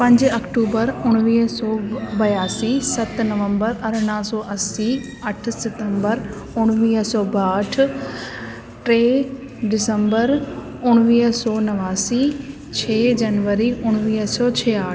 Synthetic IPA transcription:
pɐ̃ɲd͡ʑɐkʈuːbəɾʊɽ̃ʋiːɦsɔːbɐjaːsisɐt̪nɐʋə̃mbəɾɐɾɳ̃aːsɔːʔɐsi | ɐʈʰsɪʈə̃mbəɾ | ʊɽ̃ʋiːɦsɔːbaːʈʰ | ʈɾeː | ɖɪsə̃mbəɾ | ʊɽ̃ʋiːɦsɔːnɐʋaːsi | t͡ɕʰeːd͡ʑɐnʋəɾiʊɽ̃ʋiːɦsɔːt͡ɕʰɛːaː

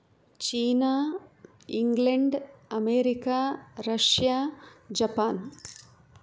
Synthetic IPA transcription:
t͡ʃiːnaː | iŋɡleɳɖɐmeːɾikaːɾɐʂjaːd͡ʒɐpaːn

